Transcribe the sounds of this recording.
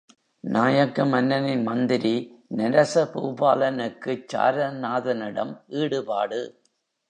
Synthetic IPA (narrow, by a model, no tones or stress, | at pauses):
naːjɐkːɐmɐnːɐnɪnmɐnd̪ɪɾinɐɾɐsɐpṵːbaːlɐnɯkːɯt͡ʃːa̰ːɾɐnaːðɐnɪɽɐ̰mʔiːɽɯpa̰ːɽɯ